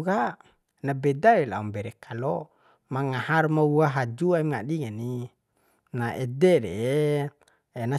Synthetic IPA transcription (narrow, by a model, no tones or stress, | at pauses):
ɡa | nabɛdaɾela̰umbɛɾekʰalɔ | maŋaharmauaɦad͡ʒuaimŋaɗiŋani | naʔɛdɛɾee | ena